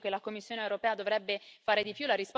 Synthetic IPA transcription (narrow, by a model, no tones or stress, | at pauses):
kelakomːisːjoːneewɾopɛːad̪ovɾɛbːefaːɾed̪ipjulaɾisp